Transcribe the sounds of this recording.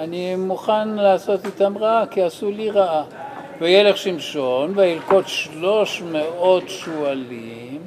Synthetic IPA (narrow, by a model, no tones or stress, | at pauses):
animuχanlaːso̞titamʁaakiasuliʁaʔa | vejeleχʃimʃo̞nveilko̞tʃlo̞ʃmeo̞tʃuali | m